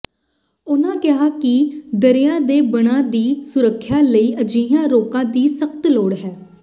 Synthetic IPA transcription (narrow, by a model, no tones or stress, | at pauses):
ʊnãːkɪɦaːkɪd̪əɾɪjãːd̪eːbəɽ̃ãːd̪iːsʊɾəkʰːjaːləiːʔəd͡ʒiːjãːɾoːkãːd̪iːsəkt̪loːɽɦɛː